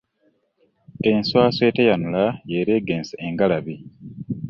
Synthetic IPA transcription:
enswaːsweːtejanulajeɾeːɡeːnseʔeŋɡalaβi

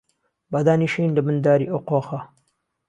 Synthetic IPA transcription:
bad̪aːniːʃiːnlɐbɨnd̪aːɾḭʔowqoːxɐ

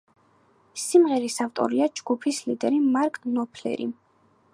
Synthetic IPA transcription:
simʁɛɾisaft̪ʼɔ̰ɾiad͡ʒɡ̥upʰislid̪ɛɾimaɾkʼnɔpʰlɛ̰ɾḭ

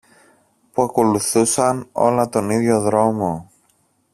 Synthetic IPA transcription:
puɐko̞luθusɐno̞̰lɐt̪o̞niðʝo̞ðɾo̞mo̞

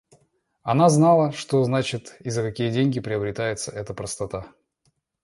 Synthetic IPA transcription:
ɐnaznalˠəʂt̪oznat͡ɕɪt̪izːəkɐkʲijədʲenʲɡʲɪpɾʲɪɐbɾʲɪt̪ajɪt̪səʔɛt̪əpɾəst̪ɐt̪a

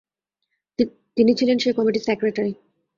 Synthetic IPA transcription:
t̪init͡ɕʰilenʃekɔmiʈisekɾeʈaɾi

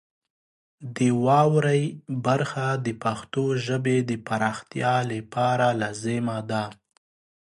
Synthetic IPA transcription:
d̪əwɑwɾajbaɾxad̪əpaxt̪oʒəbed̪əpaɾɑxt̪jɑləpɑɾalɑzemad̪a

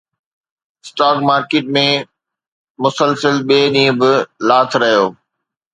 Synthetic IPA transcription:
sʈaːkmaːɾkeːʈ̚mẽ | mʊsəlsəlɓeːɗĩːə̃bɪlaːt̪ʰɾɐɦijoː

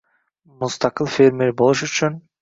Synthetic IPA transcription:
must̪ɑqɯlˠfʲeɾmeɾbo̞lˠuʃyt͡ʃyn

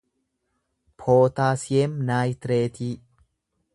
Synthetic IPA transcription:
pʰoːt̪aːsɪemnaːjt̪ɾeːt̪ʰiː

